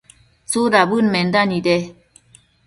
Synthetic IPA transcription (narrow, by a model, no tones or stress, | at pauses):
t͡sudabɯnmɛndanidɛ